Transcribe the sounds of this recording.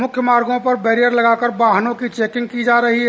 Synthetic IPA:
mʊkʰjəmaɾɡõpɐɾbeɾijəɾləɡakəɾbaɦnõkit͡ʃeːkɪ̃ŋɡ̚kid͡ʒaɾəɦiɦɛ

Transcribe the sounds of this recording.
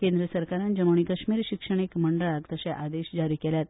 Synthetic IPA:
kend̪ɾəsəɾkaɾãnd͡ʑəmoɳ̃ikəɕmiːɾɕikʂəɳ̃ekməɳɖəɭakt̪əɕaʔad̪eɕd͡ʑaɾiːkɛljat̪̚

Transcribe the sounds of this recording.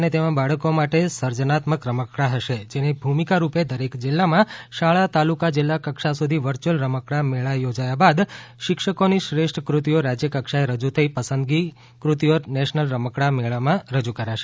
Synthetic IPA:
net̪emãbaɭəkomaʈesəɾd͡ʒənat̪məkɾəməkɽaɦəʃed͡ʒenibʱumikaɾuped̪əɾekd͡ʒɪlːamãʃaɭat̪alukad͡ʒɪlːakəkʃasud̪ʱiʋəɾt͡ʃəlɾəməkɽameɭajod͡ʒajabad̪ʃɪkʃəkoniʃɾeʃʈʰkɾut̪ijoɾad͡ʒjəkəkʃaeɾəd͡ʒut̪ʰəipəsənd̪ɡi | kɾut̪ijonɛʃnəlɾəməkɽameɭamãɾəd͡ʒukəɾaʃe̥

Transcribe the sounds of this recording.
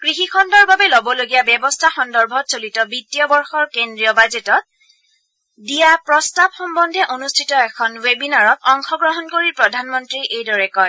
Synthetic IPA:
kɹixikʰɔndɔɹbabɛlobɔloɡijabjɛbɔstʰaxɔndɔɹbʱɔtsolitɔbitːijɔbɔɹxɔɹkendɹijɔbazetɔt̚ | dijapɹɔstabxɔmbɔndʱɛʔonustʰitɔɛkʰɔnwebinaɹɔtɔŋxɔɡɹɔɦɔnkoɹiɹpɹɔdʱanmɔntɹiʔejdɔɹɛkɔj

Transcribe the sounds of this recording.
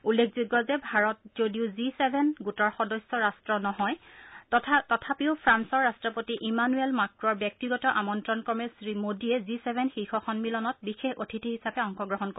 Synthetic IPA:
ulːekʰzuɡːɔzɛbʱaɹɔt̚zodiʊzisebʱɛnɡutɔɹxɔdɔsɔɹastɹɔnɔɦɔjʰ | tɔtʰapiʊpʰɹansɔɹastɹɔpotiʔimanuɛlmakɹɔɹbjɔk̚tiɡɔtɔʔamɔntɹɔnkɔmɛsɹimodiɛzisebʱɛnxixɔxɔnmilɔnɔt̚bixexotʰitiɦisapɛɔŋxɔɡɹɔɦɔnko

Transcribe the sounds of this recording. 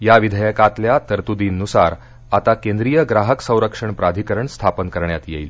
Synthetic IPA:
jaʋid̪ʱəjəkat̪ljat̪əɾt̪ud̪inːusaɾ | at̪akẽnd̪ɾijəɡɾaɦəksə̃w̃ɾəkʂəɳpɾad̪ʱikəɾəɳst̪ʰapənkəɾɳjat̪jeil

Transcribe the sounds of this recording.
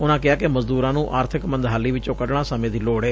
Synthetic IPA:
ʊnãːkɪaːkɪməzd̪uːɾãːnũːʔaːɾt̪ʰɪkmə̃nd̪ɦaːliːʋɪt͡ʃõːkəɖɳãːsəmẽːd̪iːloːɽeː

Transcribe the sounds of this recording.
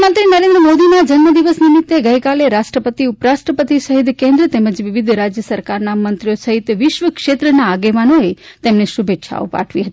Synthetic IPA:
mənt̪ɾinəɾẽnd̪ɾəmod̪inad͡ʒənməd̪iʋəsnimɪt̪ːeɡəjkaleɾaʃʈɾəpət̪iupɾaʃʈɾəpət̪isəɦit̪kẽnd̪ɾət̪eməd͡ʒʋɪʋid̪ʱɾad͡ʒjəsəɾkaɾnamənt̪ɾijosəɦit̪ʋɪʃʋəkʃet̪ɾənaːɡeʋanoet̪emneʃubʱetːʃʰa̰o̰pa̰ʈʰʋiɦət̪i

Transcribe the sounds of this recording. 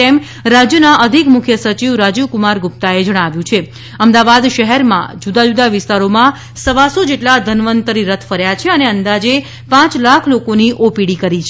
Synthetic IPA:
ɛm | ɾad͡ʒjənaʔəd̪ʱikmʊkʰjəsət͡ʃiʋɾad͡ʒukumaɾɡup̚t̪aed͡ʒəɽ̃aʋjũt͡ʃʰe | əmd̪aʋad̪ʃəɦɛɾmã̰d͡ʒud̪ad͡ʒud̪aʋɪst̪aɾomã | səʋasod͡ʒeʈlad̪ʱənʋənt̪əɾiɾət̪ʰfəɾjat͡ʃʰeəneənd̪ad͡ʒe | pãt͡ʃlakʰlokoniʔopiɽikəɾit͡ʃʰ

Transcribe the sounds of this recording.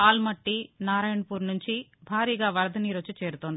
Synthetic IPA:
aːlmɐʈːinaːɾaːjɐɳpuːɾnuɲt͡ʃibʱaːɾiːɡaːʋɐɾɐd̪ʱɐniːɾot͡ʃːut͡ʃe̞ːɾut̪ond̪i

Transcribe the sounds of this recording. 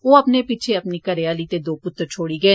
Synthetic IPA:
oːəpnepit͡ʃʰeɐpniːkəɾeaːliːt̪eːd̪oːpʊt̪ːɾt͡ʃʰoːɽiːɡəeː

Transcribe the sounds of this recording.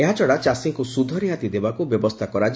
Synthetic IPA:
eɦat͡ʃɔɽat͡ʃasiŋkusud̪ʱɔɾiɦat̪id̪ebakubjɔbɔst̪ʰakɔɾad͡ʒ

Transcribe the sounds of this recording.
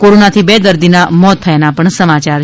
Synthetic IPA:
koɾonat̪ʰibed̪əɾd̪inamɔt̪ʰːəjanapəɳsəmat͡ʃaɾ

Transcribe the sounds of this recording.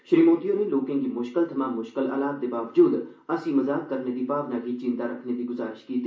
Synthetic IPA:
ʃeːmoːt̪ijõneloːkẽkimʊʃkɪlt̪ʰɐmaːmːʊʃkɪla̰ːlaːt̪̚d̪ebaːʋd͡ʒuːd̪ɐsimɐzaːk̪̚kɐɾned̪ipaːʋnakit͡ʃɪ̃nd̪aɾɐkʰned̪iɡʊzaːɾɪʃkiːt̪ʰi

